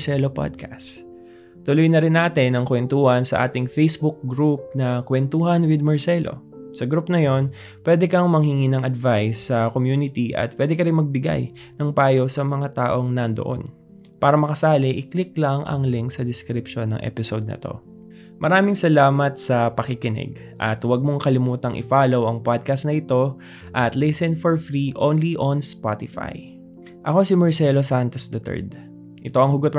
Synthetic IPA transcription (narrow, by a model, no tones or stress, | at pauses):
sɛlopa̰d̪̚kʰas | t̪ʊlojnɐɾɪnːaːt̪ɪnɐŋkwɛnt̪uːhɐnsɐ̰ʔa̰ːt̪ɪŋfejsbʊk̚ɡɾup̚nɐkwɛnt̪uːɦɐnwɪd̪̚mɐɹsɛlʔo̞̰ | sɐɡɾupnɐjo̞n | pwɛːd̪ɛkɐŋmɐŋhɪŋiːnɐŋɐd̪vajsːɐkomjuːnɪt̪iʔɐ̰t̪̚pwɛd̪ɛkɐɾɪnmɐɡ̚bɪɡa̰j | nɐŋpaːjosɐmɐŋat̪aːʔo̞ŋnɐnd̪oʔo̰n | paːɾɐmɐkɐsaːlɛʔɪklɪklɐŋʔɐ̰ŋlɪŋksɐd̪ɪskɾɪpʃo̞nːɐ̰ŋʔɛ̰pɪsowd̪̚nɐ̰t̪o̞̰ | mʔɐɾaːmɪŋsɐlaːmɐt̪̚sɐpɐkɪkɪnɛ̰ɡ | ʔɐ̰t̪wɐɡ̚moŋkɐlɪmuːt̪ɐŋʔɪ̰faːlo̞wʔɐŋpad̪̚kɐst̪nɐʔɪt̪o̞ | ʔɐt̪lɛsɛnfoɹfɾiʔownliʔonspat̪ɪfa̰j | ʔɐko̞simɐɹsɛlosant̪osd̪ɐt̪ɛ̰ɹd̪ | ʔɪt̪o̞ʔɐŋhʊɡot̪